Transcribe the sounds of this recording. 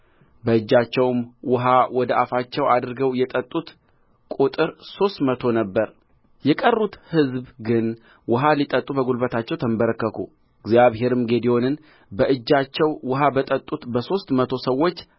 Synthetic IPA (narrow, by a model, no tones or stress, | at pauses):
bəɨd͡ʒːat͡ʃːɛwmwʊɦawɔd̪əʔafat͡ʃːɛwad̪ɨɾɡəwjɛt̪ʼət̪ʼːut̪ | kʼut̪ʼɨɾso̞st̪mət̪ʰo̞nəbːəɾ | jɛkʼərːut̪hɨzbɡɨn | wʊɦalit̪ʼət̪ʼːubəɡulbət̪ʰat͡ʃːɛwt̪ʰəmbəɾəkːəkʰu | ɨɡzjaβɦe̞ɾɨmɡe̞d̪io̞nɨn | bəʔɨd͡ʒːat͡ʃːɛwwʊɦabət̪ʼət̪ʼut̪bəso̞st̪mət̪ʰo̞səwːo̞t͡ʃː